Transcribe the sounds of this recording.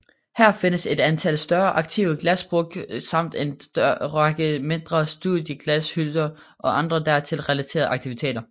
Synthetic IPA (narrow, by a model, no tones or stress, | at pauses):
hæɐ̰fe̝nəse̝d̥ænt͡sʰæl̰sd̥ɶɐʔɑ̈ɡ̥̚t͡sʰiʊəɡ̥læsb̥ʁɔɡ̥sɑ̈m̰d̥en̥ʁɑɡ̥əme̝nd̥ʁɐsd̥uðˠjəɡ̥læshyld̥ɐ | ʔɒ̽ʔɑ̈nd̥ʁɐd̥æɐ̰t͡sʰe̝lʁɛlæt͡sʰe̝̰ːɐð̩ˠʔɑ̈ɡ̚t͡sʰiʋit͡sʰe̝̰ːdɐ